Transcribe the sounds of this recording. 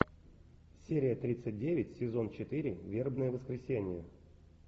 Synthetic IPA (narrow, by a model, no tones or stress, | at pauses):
sʲeɾʲɪjət̪ɾʲit̪sɨt̚ʲdʲevʲɪtʲsʲɪzo̞nt͡ɕɪt̪ɨɾʲɪvʲe̞rbnəjəvəskɾʲɪsʲenʲɪjə